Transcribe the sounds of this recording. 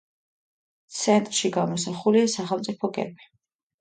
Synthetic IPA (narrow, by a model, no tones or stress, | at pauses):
t̪sʰɛnt̪ʼɾʃiɡamɔsaχuliasaχɛlˠt̪sʼipʰɔɡɛ̰bi